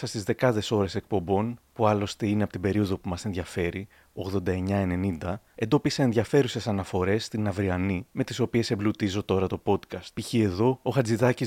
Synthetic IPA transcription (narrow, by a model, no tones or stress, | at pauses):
sɐst̪izðe̞kɐðe̞so̞ɾe̞se̞k̚po̞mbo̞npuɐlo̞st̪e̞ineɐpo̞t̪ibe̞ɾio̞ðo̞pumɐse̞nðʝɐfe̞ɾi | o̞ɣðo̞nd̪ɐe̞ɲɐe̞ne̞nind̪ɐe̞nd̪o̞pisɐe̞nðʝɐfe̞ɾuse̞sɐnɐfo̞ɾe̞sːt̪inɐvɾiɐnime̞t̪iso̞pie̞semblut̪izo̞t̪o̞ɾɐt̪o̞po̞t̪kɐst̪piçie̞ðo̞oxɐd͡ziðɐci